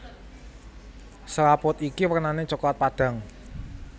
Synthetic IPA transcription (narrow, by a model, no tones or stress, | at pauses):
səɾapʊt̪ikiwərnanet͡ʃɔklat̪̚paɖ̥ä̤ŋ